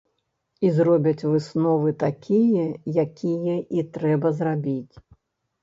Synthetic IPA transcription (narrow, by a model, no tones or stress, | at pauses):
izrɔbʲɐt͡sʲvɨsnɔvɨt̪akʲijɛjakʲijɛʔit̪ɾɛbɐzrabʲit͡sʲ